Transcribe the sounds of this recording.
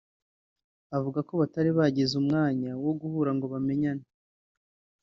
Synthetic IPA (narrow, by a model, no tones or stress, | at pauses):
avuɡako̞βataɾiβaɟezumŋaːɲawo̞ɡuhuːɾaŋɡo̞βame̞ɲana